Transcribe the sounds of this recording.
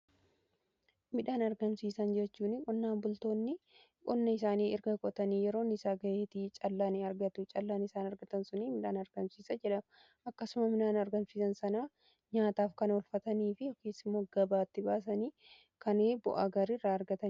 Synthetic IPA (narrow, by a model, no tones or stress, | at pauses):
mɪᶑaːnɐɾɡɐmsiːsɐnd͡ʒɛt͡ʃːuːnɪkʼɔnːaːmbʊlt̪o̞ːnːɪ | kʼɔnːɐɪs̬aːniːʔɪɾɡɐkʼɔt̪ɐniːjɛɾo̞ːnːɪsaːɡɐʔeːt̪it͡ʃʼɐlːaːniɐɾɡɐt̪ʊt͡ʃʼɐlːaːnɪsaːnɐɾɡɐt̪ɐnsʊniːmɪᶑaːnɐɾɡɐmsiːsɐd͡ʒɛᶑɐm | ʔɐkːɐsʊmɐmɪnaːnɐɾɡɐmsiːsɐnsɐnaː | ɲaːt̪aːfkɐnɔlfɐt̪ɐniːfɪɔkeːsɪmːo̞ːɡ̥ɐbaːt̪ːɪbaːs̬ɐniː | kʰɐneːbʊ̰ʔaɡɐɾɪrːaɐɾɡɐt̪ɐn